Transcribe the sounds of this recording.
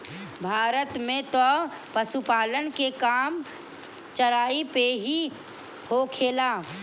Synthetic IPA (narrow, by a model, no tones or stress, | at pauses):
bʱaːɾət̪mẽt̪ɔ | pəʃupaːlənkekaːm | t͡ʃɐɾaːipeɦi | hokʰeːlaː